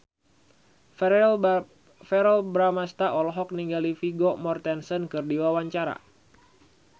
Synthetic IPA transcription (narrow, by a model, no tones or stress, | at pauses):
fɛɾɔlbɾamast̪aʔɔlɔɦɔk̚niŋɡalifiɡomɔrt̪ɛnsɔnkɨrdiwawaɲt͡ʃaɾa̰